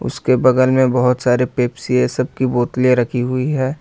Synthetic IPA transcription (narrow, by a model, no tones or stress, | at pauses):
ʊ̰skebɐɡəlmẽbɐɦʊt̪saːɾepeːpsiesɐb̚kiboːt̪lieɾɐkʰiɦʊiɦɛː